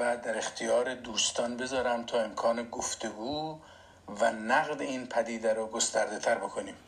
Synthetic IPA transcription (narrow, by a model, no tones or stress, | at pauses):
væd̪æɾe̞xt̪ʰijɒːɾed̪uːst̪ʰɒːnbe̞zɒːɾæmt̪ʰɒːe̞mkʰɒːneɡoft̪e̞ɡuː | vænæɣd̪eiːnpʰæd̪iːd̪æɾoɡost̪æɾd̪et̪ʰæɾbe̞kʰoniːm